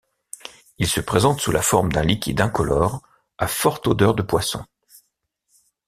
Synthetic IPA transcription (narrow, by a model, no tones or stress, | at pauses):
ilsəpχezɑ̃t̪sulʔafɔʁmd̪ɛ̃likʲḭd̪ɛ̃kɔlɔʁ | afɔʁt̪od̪œʁd̪əpwasɔ̰̃